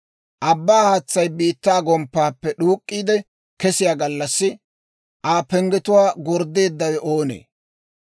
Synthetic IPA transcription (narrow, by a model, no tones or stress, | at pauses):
ʔɐbːaːhaːt͡sːɐjbiːt̪ːaːɡɔmpːaːpːɛɗuːkʼːiːd̪ɛ | kɛsɪjaːɡɐlːɐsːɪ | ʔaːpɛŋɡɛt̪ʊwaːɡɔɾd̪ːe̞ːd̪ːɐwɛʔo̞ːnḛː